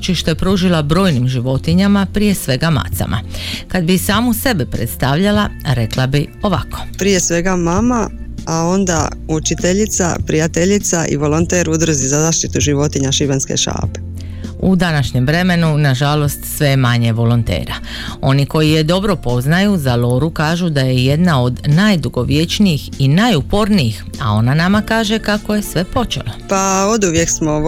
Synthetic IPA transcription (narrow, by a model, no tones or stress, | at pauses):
t͡ʃiʃt̪epɾuʒilabɾo̞ːjnimʒiʋo̞t̪iɲamapɾije̞sʋe̞ɡama̰t̪sa̰mʔa̰kad̪bisaːmuse̞bepɾet̪st̪aʋʎalaɾe̞klabio̞ʋakʰo̞̥pɾije̞sʋe̞ɡamama | ao̞nd̪a̰ | ut͡ʃit̪eʎit̪sa̰pɾijat̪eʎit̪sa̰ʔḭʋo̞lont̪eːɾud̪ɾ̩zizazaʃt̪it̪uʒiʋo̞t̪iɲaʃiʋenskḛʃa̰ːpe̥ | ud̪anaʃɲe̞mʋɾe̞me̞nunaʒalo̞st̪sʋe̞maɲe̞ʋo̞lont̪ḛːɾa | o̞niko̞jije̞d̪o̞bɾo̞po̞znajuzalo̞ɾukaːʒud̪aje̞je̞d̪nao̞d̪najd̪uɡo̞ʋje̞t͡ʃnijixinajupo̞ɾnijixa̰o̞nanamakaːʒe̞kako̞je̞sʋe̞po̞t͡ʃe̞̰lopaod̪uʋje̞ksmo